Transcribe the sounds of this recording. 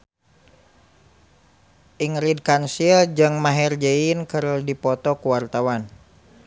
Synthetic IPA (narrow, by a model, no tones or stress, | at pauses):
ʔiŋɾid̚kansild͡ʒɨŋmaɦɛrd͡ʒɛinkəɾdipɔt̪ɔkuwart̪awan